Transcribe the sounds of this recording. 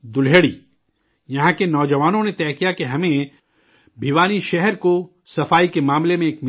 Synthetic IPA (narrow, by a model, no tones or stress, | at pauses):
d̪ʊlɦeːɽiː | jɐɦãkenɔːd͡ʒɐʋaːnõnet̪ɛːkijakeɦɐmẽ | bʱiʋaːniʃɛɦɛɾko | sɐfaːikemaːmlemẽːkmɪ